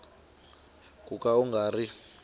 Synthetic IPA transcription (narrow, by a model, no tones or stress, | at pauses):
kʼukʼauŋɡʱaːri